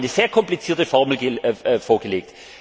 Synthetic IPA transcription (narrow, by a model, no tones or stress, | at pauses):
nəz̥eːɐkʰɔmplit͡siːɐtəfɔʁml̩ɡəfoːɐɡəleːk̚t